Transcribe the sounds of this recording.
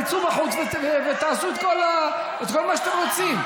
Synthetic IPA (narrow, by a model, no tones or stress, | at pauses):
t͡subaχut͡svevevet̪aːsuet̪kola | et̪kolmaʃḁt̪emʁot͡sim